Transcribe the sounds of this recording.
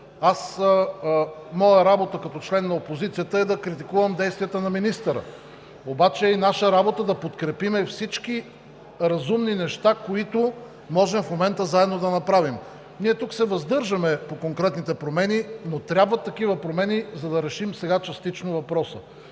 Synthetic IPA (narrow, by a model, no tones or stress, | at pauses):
as | mɔjəɾabot̪əkɐt̪ɔt͡ʃlɛnːɐopozit̪sijət̪əɛd̪ɐkɾit̪ikuvɐmd̪ɛjst̪vijət̪ənɐminist̪əɾə̰ | obat͡ʃɛinaʃəɾabot̪əd̪ɐpot̪kɾɛpimɛfsit͡ʃk̟i | ɾɐzumninɛʃt̪akoit̪ʊ | mɔʒɛmfmomɛnt̪əzaɛd̪nod̪ɐnɐpɾavim | niɛt̪uksɛvɐzd̪ɤɾʒɐmɛpokoŋkɾɛt̪nit̪ɛpɾomɛninot̪ɾʲabvət̪ːɐk̟ivəpɾomɛnizɐd̪ɐɾɛʃimsɛɡat͡ʃɐst̪it͡ʃnovɐpɾɔsə̰